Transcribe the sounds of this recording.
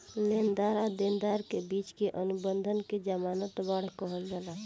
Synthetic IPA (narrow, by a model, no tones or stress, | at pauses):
lend̪aɾad̪end̪aɾkebit͡ʃkeʔənubənd̪ʱənked͡ʒəmanət̪baɽ̤kəɦəld͡ʒala